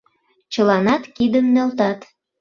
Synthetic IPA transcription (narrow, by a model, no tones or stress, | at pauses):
t͡ɕəlɑnɑt̪kid̪əmnølt̪ɑt̪